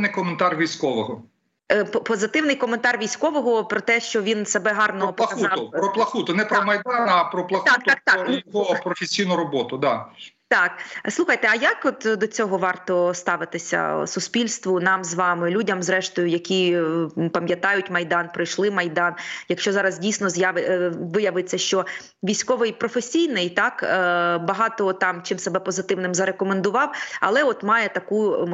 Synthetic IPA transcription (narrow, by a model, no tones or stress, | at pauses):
nɪjkɔment̪ɑrʋʲijsʲkɔʋɔɦɔ | ppɔzɪt̪ɪwnɪjkɔment̪ɑrʋʲijsʲkɔʋɔɦɔpɾɔt̪ɛʃt͡ʃɔʋʲinsɐbɛɦɑrnɔɦɔpɐkɐɑpɾɔplˠɐxut̪ʊnɛpɾɔmɐjd̪ɑnɐpɾɔplˠɐxt̪aak̚t̪ɑjɦɔpɾɔfʲesʲijnʊɾɔbɔt̪ʊd̪ɑ | t̪ɑkslˠuxɐjt̪ɛɐjakɔt̪d̪ɔt͡sʲɔɦɔʋɑrt̪ɔst̪ɑʋɪt̪ɪsʲɐ̰sʊspʲilʲst̪ʋʊnɑmzʋɑmɪlʲudʲɐmzɾɛʃt̪ɔjʊjɐkʲi | pɐmʲjɐt̪ɑjʊtʲmɐjd̪ɑnpɾɪjʃlˠɪmɐjd̪ɑnjɐkʃt͡ʃɔzɑɾɐzdʲijsʲnɔzjaʋɪjɐʋɪt͡sʲːɐʃt͡ʃɔ | ʋʲijsʲkɔʋɪjpɾɔfesʲijnɪjt̪ɑkbɐɦɑt̪ɔt̪ɑmt͡ʃɪmsebɛpɔzɪt̪ɪʋnɪmzɐɾekɔmend̪ʊʋɑwɐ̰lˠɛɔt̪mɑjɛt̪ɐku